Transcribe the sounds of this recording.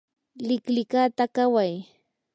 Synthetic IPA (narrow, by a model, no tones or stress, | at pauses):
lɪklɪkat̪akawaj